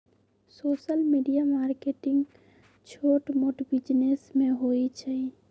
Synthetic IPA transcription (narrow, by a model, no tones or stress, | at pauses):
soːʃəlmiɖijamaːɾkeːʈɪ̃ŋɡ | t͡ʃʰoːʈmoʈbɪd͡ʒnesmẽɦoit͡ʃʰai